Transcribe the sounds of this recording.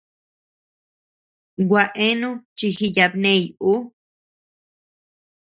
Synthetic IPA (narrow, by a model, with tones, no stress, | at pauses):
ɡʷa˧ʔẽ˦nũ˦t͡ʃi˧xi˦˧ja˧bnẽ˧˨ju˦